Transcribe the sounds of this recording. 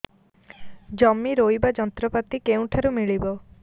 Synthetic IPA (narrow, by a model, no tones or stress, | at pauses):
d͡ʒɔmːiɾojbad͡ʒɔnt̪ɾɔpat̪ikeũʈʰaɾumiɭibɔ